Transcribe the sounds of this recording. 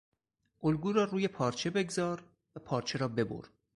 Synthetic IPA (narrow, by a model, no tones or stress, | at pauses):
ʔolɡuːɾɒːɾuːje̞pʰɒːɾt͡ʃʰe̞be̞ɡzɒːɾ | væpʰɒːɾt͡ʃʰe̞ɾɒːbe̞bo̰ɾ